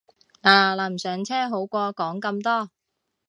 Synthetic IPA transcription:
laː˨˩laː˨˧m̩˨˩sœː˨˥ŋt͡sʰɛː˥ɦo˨˥wkʷɔː˧kɔː˨˥ŋkɐ˧mt̪ɔː˥

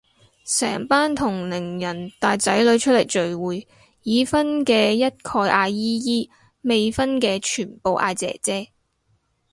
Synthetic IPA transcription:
sɛ̰ː˨˩ŋpaː˥nt̪ʰʊ˨˩ŋlɪ˨˩ŋjɐ˨˩nt̪aː˨jt͡sɐ˨˥jlɵ˨˧ɥt͡ʃʰɵ˥t̚le˨˩t͡ʃɵ˨ɥwuː˨j | jiː˨˧fɐ˥nkɛː˧jɐ˥t̚kʰɔː˧jʔaː˧jiː˥jiː˥ | me˨jfɐ˥nkɛː˧t͡ʃʰyː˨˩npo˨wʔa̰ː˧t͡sɛ̰ː˨˩t͡sɛː˥

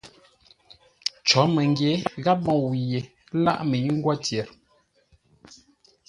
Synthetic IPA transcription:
t͡ʃɔ˨˦mə˨ŋɡje˨˦ɣa˦p̚mɔ˨wi˨je˨ | la̰˦ʔme˨ɲ˦ŋ˦ɡwɔ˦tjɛ˨ɾ

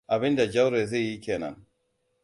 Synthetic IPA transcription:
ʔa˨bɪ˦nda˨d͡ʒa˦wɾe˨ze˦˨ji˦kʲeː˨nɐ̰˦n

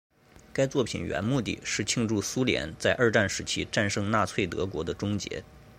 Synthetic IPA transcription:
ka˥ɪt͡swɔ˥˩pʰi˨˩nɥɛ̰˧˥nmu˥˧t̪̬ḭ˥˩ʂɻ̩˥˩t͡ɕʰi˥˧ŋʈ͡ʂu˥˩su˥ljɛ̰˧˥nt͡sa˥˧ɪʔə˞˥˧ʈ͡ʂa˥˩nʂɻ̩˧˥t͡ɕʰi˥ʈ͡ʂa˥˧nʂɤ˥˧ŋna˥˧t͡sʰwe˥˩ɪt̪ɤ̰˧˥kwɔ˧˥d̪ə˧ʈ͡ʂʊ˥ŋt͡ɕjɛ̰˧˥

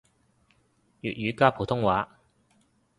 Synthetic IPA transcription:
jyː˨t̚jyː˨˧kaː˥pʰu˨˩t̪ʰʊ˥ŋwaː˨˧

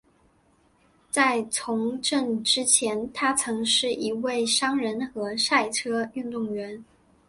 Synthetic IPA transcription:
t͡sa˥˩ɪt͡sʰʊ˧˥ŋʈ͡ʂə˥˧ŋʈ͡ʂɻ̩˥t͡ɕʰjɛ˧˥nt̪ʰa˥t͡sʰɤ˧˥ŋʂɻ̩˥˩ʔi˧˥we˥˩ɪʂɑ˥ŋɻə˧˥nxɤ˧˥ʂa˥˩ɪʈ͡ʂʰɤ˥y˥˧nt̪ʊ˥˩ŋɥɛ˧˥n

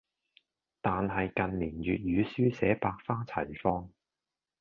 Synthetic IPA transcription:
t̪aː˨nɦɐ˨jkɐ˨nliː˨˩njyː˨t̚jyː˨˧syː˥sɛː˨˥paː˧k̚faː˥t͡sʰɐ˨˩jfɔː˥ŋ

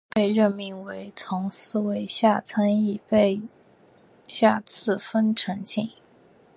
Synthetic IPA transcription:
pe˥˧ɪɻə˥˩nmi˥˩ŋwe˧˥ɪt͡sʰʊ˧˥ŋsɹ̩˥˩we˧˥ɪɕja˥˩t͡sʰə˥ŋi˥˩pe˥˧ɪ | ɕja˥˧t͡sʰɹ̩˥˩fə˥nʈ͡ʂʰɤ˧˥ŋɕi˥˩ŋ

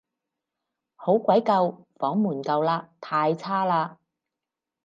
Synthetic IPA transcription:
ho˨˥wkʷɐ˨˥jkɐ˧wfɔː˨˥ŋmuː˨˩nkɐ˨˧wlaː˧t̪ʰaː˧jt͡sʰaː˥laː˧

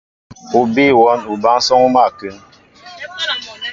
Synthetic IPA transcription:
u˨bi˦wɔ˨˦nu˨ba˦ŋ˦sɔ˦ŋu˦ma˦˨kɨ˨˦ŋ

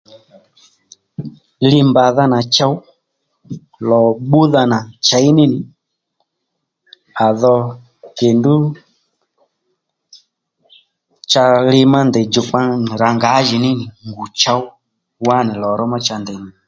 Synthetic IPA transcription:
li˦mba˨ða˦na˨t͡ʃa˧w | lɔ˨ɓu˦ða˧na˨t͡ʃa˨˦i˦nɪ˦nɪ˨ | a˨ðɔ˧ | kɛ˨ndu˦ | t͡ʃa˧lɪ˧ma˦nd̪ɛ˨d͡ʒʊ˨k͡pa˦˨ɾa˨ŋɡa˨˦ʒi˨nɪ˦nɪ˨ŋɡu˨t͡ʃa˦u˦ | wa˦nɛ˨lɔ˨ɾɔ˦ma˦t͡ʃa˧nd̪ɛ˨ni˨

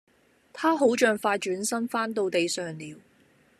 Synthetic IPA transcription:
t̪ʰaː˥ɦo˨˥wt͡ʃœː˨˧ŋfaː˧jt͡ʃyː˨˥nsɐ˥mfaː˥nt̪o˧wt̪e˨jsœː˨ŋliː˨w

